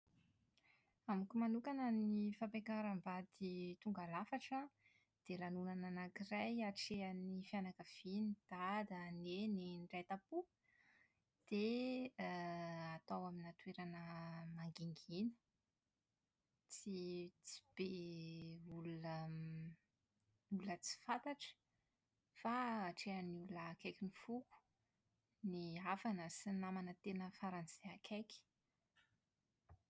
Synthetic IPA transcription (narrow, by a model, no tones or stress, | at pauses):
amikumanukanənifampekaɾambad̪it̪uŋɡalafaʈ͡ʂə | d̪̥elanunananakirajaʈ͡ʂeanifianakəv̥inid̪̥ad̪ənenenɖ͡ʐet̪apu | d̪̥e | at̪awaminat̪weɾanəmaŋɡiŋɡinə̥ | t͡sit͡si̥b̥e | ulunə | ulət͡si̥fat̪aʈ͡ʂə̥ | faːʈ͡ʂeanuləːkekʲinifuku̥ | niavanəsinamanət̪enəfaɾanseakʰekʲi̥